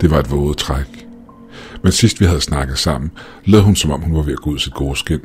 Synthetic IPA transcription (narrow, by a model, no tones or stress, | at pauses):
d̥e̝ʋɑ̈e̝d̥ʋɔ̽ːð̩ˠt͡sʰʁaɡ̥ | mensisd̥ʋihæð̞̩ˠsnɑ̈ɡ̥ð̩ˠsɑ̈m̰n̩ | leːðˠhunsɒ̽mɒ̽m̰hunʋɑ̈ʋe̝æɡ̥ɔːuð̰ˠsid̥ɡ̥ɔːsɡ̥en̰